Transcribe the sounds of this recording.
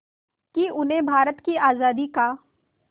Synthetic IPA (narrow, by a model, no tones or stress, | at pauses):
kiʊnɦẽbʱaːɾət̪kiaːzaːd̪ikaː